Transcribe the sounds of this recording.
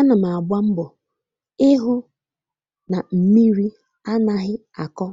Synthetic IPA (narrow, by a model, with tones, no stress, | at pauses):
a˦na˨ma˨a˨bʷa˦m̩˦bʊ˨ | ɪ˦ɦʊ˦ | na˨m̩˨mi˦ɾi˦ | a˦na˦ɦɪ˦ | a˨kɔ˦